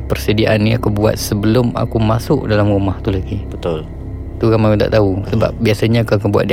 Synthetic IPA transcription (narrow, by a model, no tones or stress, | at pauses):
pərsədiaʔanːiakubua̰t̪̚səbəlʊma̰kumasʊʔ̚dalamrumaht̪ulaɡibət̪ʊl | t̪ukamakut̪a̰ʔt̪ausəba̰p̚biasaɲakakubua̰t̪̚di